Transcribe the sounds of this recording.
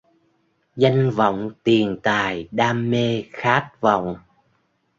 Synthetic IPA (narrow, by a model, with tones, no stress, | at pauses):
za˧jŋ̟və̰˧˨wŋ͡mt̪i˨˩ənt̪aː˨˩jɗaː˧mːe˧xaː˦˥t̚va̰˧˨wŋ͡m